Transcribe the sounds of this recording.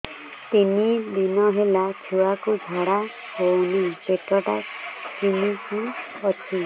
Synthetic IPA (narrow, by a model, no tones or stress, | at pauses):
t̪inid̪inɔɦelat͡ʃʰuakud͡ʒʱaɽa | onepeʈɔʈa̰t͡ʃinisũ | ɔt͡ʃʰi